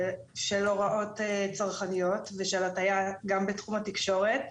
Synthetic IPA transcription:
ʃelo̞ʁaʔo̞tet͡saʁχanijo̞tveʃelatajaɡambetχumatikʃo̞ʁe̞t

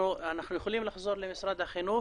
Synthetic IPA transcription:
unaħnʊjxʊliːmlħʊzˤuːɾˤlɪmɪsɾˤɑːd̪axinuː

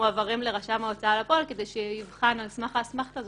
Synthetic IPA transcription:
avaʁimleʁaʃamaot͡saːlapo̞lke̞d̪ejʃeivχanalsmaχasmaχtaz

